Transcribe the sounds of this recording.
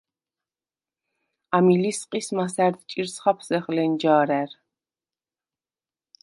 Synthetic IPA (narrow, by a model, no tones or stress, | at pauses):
amilisqʼismasæɾd̪t͡ʃʼiɾsχapʰsɛχlɛnd͡ʒaːɾæɾ